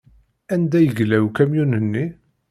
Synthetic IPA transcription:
ænd̪æjəɡlæwkæmjunənːi

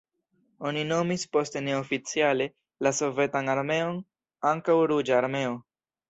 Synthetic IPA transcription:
o̞nino̞mispo̞ste̞ne̞ofit͡siale̞ | laso̞ve̞tanaɾme̞o̞n | aŋkawɾud͡ʒaːɾme̞o̞

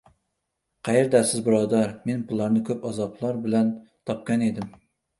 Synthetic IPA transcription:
qʰæjeɾd̪ɛsɪzbuɾɑd̪ɑɾmenpʰʊlˠɑɾnɨkʲʰøpɑzɑplˠɑɾbɪlɛnt̪ʰɑp̚kʲɑned̪ɪm

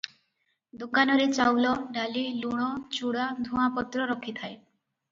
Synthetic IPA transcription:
d̪ukːanɔɾet͡ɕawlɔɖaliluɽ̃ɔt͡ɕuɽad̪ʱumapɔt̪ːɾɔɾɔkʰːit̪ʰae

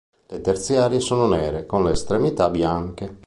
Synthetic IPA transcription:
let̪ert̪siaːɾjesoːnonɛːɾekonleːst̪ɾemit̪abjaŋk̟e

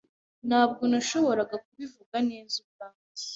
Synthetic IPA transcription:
naːb̚ɡo̞naʃo̞βo̞ɾaɡak̚uβivuɡaneːzub̚ɡa

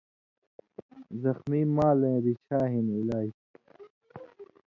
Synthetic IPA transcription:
zɐxmimaːlẽɾit͡ɕʰaːɦinilaːi

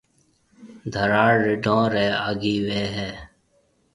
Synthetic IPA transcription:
d̪ʱəɾaːɽːɪɖõːɾeːaːɡiːweːɦeː

